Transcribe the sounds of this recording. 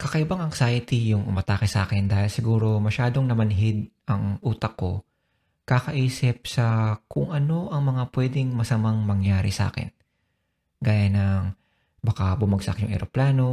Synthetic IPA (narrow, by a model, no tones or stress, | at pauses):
kɐkɐʔɪbaŋɐŋsaːjɪt̪ijʊŋʔʊmɐt̪aːkɪsʔa̰ːkɪnd̪aːhɪlsɪɡuːɾo̞mɐʃaːd̪o̞ŋnɐmɐnɦɪd̪̚ʔɐŋʔuːt̪ɐkːo̞ | kakɐʔiːsɪp̚sɐkʊŋʔɐno̞ʔɐŋmɐŋapwɛːd̪ɪŋmɐsɐmaŋmɐŋjaːɾɪ̰sʔa̰ːkɪ̰n | ɡaːjanɐŋ | bɐkabʊmɐɡsɐ̰kjʊŋʔɛ̰ɾoplaːno̞